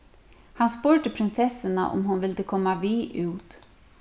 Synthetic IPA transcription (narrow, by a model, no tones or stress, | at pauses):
hanspʊɹt̪əpʰɾɪnsɛsɪna̰ʔʊ̰mhʊnʋɪld̪əkʰɔmːaʋiːʔʉːt̪